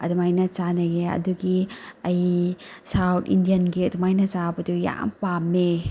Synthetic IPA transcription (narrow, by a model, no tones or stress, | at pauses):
ɐ̰dɐmajnɐt͡ʃanɐɡeɐ̰duɡiɐjsawtḭndijɐnɡiɐdumajnɐt͡ʃabɐtuja̰mpamːe